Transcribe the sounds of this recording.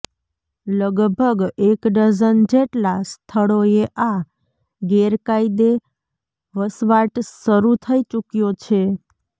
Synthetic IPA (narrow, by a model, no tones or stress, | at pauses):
ləɡbʱəɡekɖəd͡ʒənd͡ʒeʈlast̪ʰəɭoeʔa | ɡeɾkaid̪e | ʋəsʋaʈsəɾut̪ʰəit͡ʃukjot͡ʃʰe